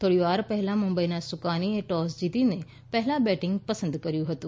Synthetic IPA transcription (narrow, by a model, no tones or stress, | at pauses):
t̪ʰoːɽiʋaːɾpɛɦlãːmʊ̃mbəiːnaːsʊkaːnieʈɔːsd͡ʒit̪iːne | pɛɦlãːbɛːʈɪ̃ŋɡpəsə̃nd̪kəɾijũːɦət̪ũː